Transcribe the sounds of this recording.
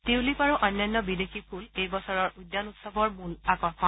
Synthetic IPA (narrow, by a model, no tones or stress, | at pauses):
tewlipaɹuʔɔnjanːɔbidexipʰulejbɔsɔɹɔɹujdːanutsɔbɔɹmulakɔɹxɔ